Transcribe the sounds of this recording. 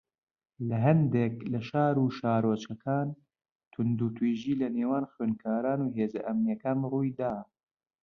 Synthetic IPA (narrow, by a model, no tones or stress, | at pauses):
lɐɦɐnd̪eklɐʃaːɾuːʃaːɾot͡ʃɐkʰaːn | t̪ʰʊnd̪ut̪ʰwiːʒiːlɐneːwaːnxweːnkʰaːɾaːnuːɦeːzɐʔɐmnijɐkaːnruːjd̪aː